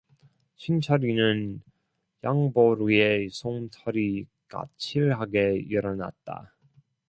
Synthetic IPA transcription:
ɕʰint͡ɕʰʌɾinɯn | jaŋboɾue̞sʰoŋtʰʌɾi | ka̰t͡ɕʰiɭɦaɡe̞ʌɾʌna̰t̚t͈a̰

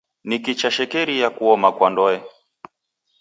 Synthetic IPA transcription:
nikit͡ʃaʃɛkɛɾijakuɔmakwandɔɛ

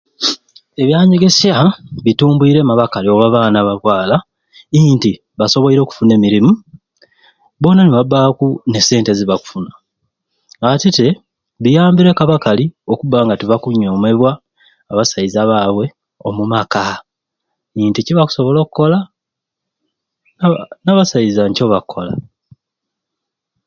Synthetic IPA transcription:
e̞βjaːɲiɡesjaβituːmbuiɾe̞ːmaβakalio̞ɣaβaːnaβaβwaːla | inti | βaso̞βo̞iɾo̞ːku̥fune̞ːmiɾimu | βo̞ːnaneβabaːkune̞se̞ːnte̞ziβaku̥funaː | tite̞ | βijaːmbiɾe̞kaβakalio̞kuβaːŋɡateβakuɲo̞ːme̞βwaː | βasaizaβaːβwe̞ | o̞mumaka | iːnticiβaku̥so̞βo̞lo̞ːkuko̞la | naβasaizaɲco̞βakʰːo̞la̰

